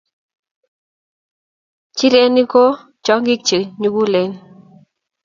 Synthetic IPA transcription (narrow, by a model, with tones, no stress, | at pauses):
t͡ʃi˦ɾe˦ni˦ko˦ | t͡ʃɔ˦ŋɡɪ˦k̚t͡ʃe˨ɲu˦ɡu˦le˨˦n